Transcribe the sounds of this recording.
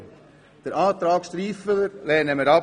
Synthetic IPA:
d̥əɾaːt̪ɾɑːkst̪ɾiːfələɾlɛːnɛməɾɑ

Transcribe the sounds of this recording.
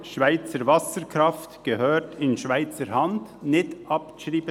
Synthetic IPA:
ʃvaɪt͡səɾvɑsəɾkɾɑftɡ̥əhøːtʰɪnʃvaɪt͡səɾhɑndnɪtʔɑpʃɾiːbə

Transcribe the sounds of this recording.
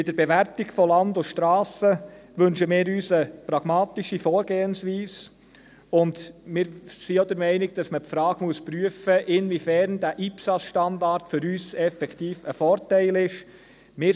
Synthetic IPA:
bɪd̥əɾbɛʋæɾtiɡfɔlɑndʊʃtɾɑːsəʋɵnʃəmɪːɾyːsəpɾɑɡ̥mɑːtiʃifɔːɾɡ̥eːənsʋiːs | ʊndmɪːɾsiod̪əɾmɛɪnɪɡ̚d̥ɑsməpfɾɑːɡ̥muəspɾyəfəʔɪnʋifæɾnd̥æːʔipsɑsʃtɑndɑɾtfʏɾyːsɛfɛktiːfəfɔːɾtɛɪlɪʃ | mɪː

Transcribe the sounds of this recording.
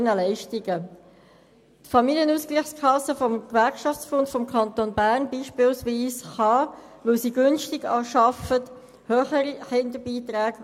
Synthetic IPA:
nəlɛɪʃtiɡə | tfɑmiljənuːskliχskʰɑsəfɔmkʋæɾkʃɑft͡sb̥ontfɔmkʰɑnt̪oːnbæʁnbiːʃpɪːlsʋiːsχɑʋɵlsiːɡʏnʃtɪɡɑːʃɑfət | høːχəɾiχɪndəbiːt̪ɾæːɡ

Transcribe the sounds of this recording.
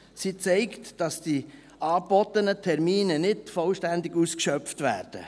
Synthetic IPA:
sit͡sɛɪktd̥ɑsd̥i | ʔɑːb̥ɔt̪ənətʰɛɾmiːnənɪdfɔlʃtændɪɡuːskʃœftvæːɾd̥ə̰

